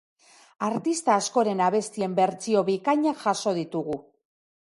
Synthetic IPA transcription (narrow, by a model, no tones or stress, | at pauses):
aɾt̪ist̪aːsko̞ɾe̞naβ̞e̞st̪ie̞mbe̞ɾt͡sio̞βikaɲaʝaso̞ð̞it̪uɣu